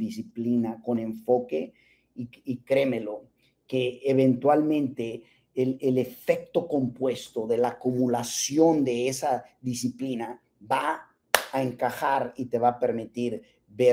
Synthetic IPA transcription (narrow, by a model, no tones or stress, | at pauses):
ðisiplinako̞nẽ̞ɱfo̞ke | iikɾemelo̞ | keːβẽnt̪walmẽnt̪e | lelefek̚t̪o̞ko̞mpwest̪o̞ðe̞laːkumulasjo̞nd̪eesaðisiplina | βaː | eŋkaxaɾit̪eβapeɾmit̪iɾ | βe